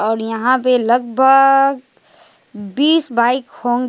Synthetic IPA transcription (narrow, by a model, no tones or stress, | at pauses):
ɔːɾjɐɦãpelɐɡ̚bʱəɡ | biːsbaːɪkhõːŋ